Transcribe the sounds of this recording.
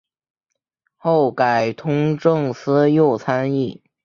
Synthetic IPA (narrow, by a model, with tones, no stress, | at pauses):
xo˥˩ʊka˨˩ɪt̪ʰʊ˥ŋʈ͡ʂɤ˥˩ŋsʰɹ̩˥jo˥˩ʊt͡sʰa˥ni˥˩